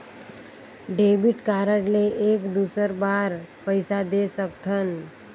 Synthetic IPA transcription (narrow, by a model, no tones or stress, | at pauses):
ɖebiʈkaɾəʈleʔekd̪usəɾbaɾpəɪsad̪esək̚t̪ʰən